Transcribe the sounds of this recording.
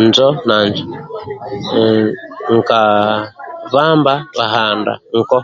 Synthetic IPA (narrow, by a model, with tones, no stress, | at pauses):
nd͡ʒɔ˦na˨nd͡ʒɔ | ŋ̩˨ka˨ | βa˦mba˦βa˨ɦa˨nda̰˨ŋ̩˨kɔ˦